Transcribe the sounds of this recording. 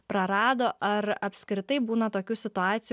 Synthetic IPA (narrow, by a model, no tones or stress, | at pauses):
pɾɐɾɑːd̪oːʔɐɾɐpʲsʲkɾʲɪt̪ɐɪbuːnɐt̪oːkʲuːsʲɪt̪ʊɑːt̪sʲɪj